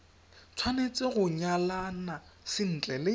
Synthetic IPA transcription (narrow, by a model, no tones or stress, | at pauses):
t͡sʰwanet͡sʼɪɣʊɲalanasɪn̩t͡ɬʼɛlɪ